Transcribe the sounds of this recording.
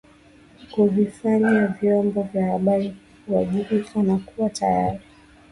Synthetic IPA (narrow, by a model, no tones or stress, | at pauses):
kuvifaɲavjɔmbɔvjahaɓaɾi | huwaʄiɾikʰanakuwatajaɾi